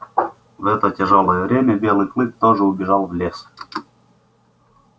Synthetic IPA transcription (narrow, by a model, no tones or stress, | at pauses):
vɛt̪ətʲɪʐolˠəjəvɾʲemʲəbʲelˠɨjklˠɨk̚t̪oʐɨʊbʲɪʐɑlˠvlʲes